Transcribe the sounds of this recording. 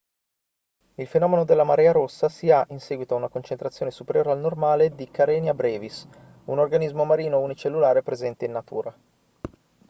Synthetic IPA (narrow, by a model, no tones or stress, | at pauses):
ilfenɔːmenod̪elːamaɾɛːaɾosːasiaʔinsɛːɡwit̪oaunakont͡ʃent̪ɾat̪sːjoːnesupeɾjoːɾealnormaːled̪ikaɾɛnjabɾɛːvis | unorɡanizmomaɾiːnounit͡ʃelːulaːɾepɾezɛnt̪einːat̪ṵːɾa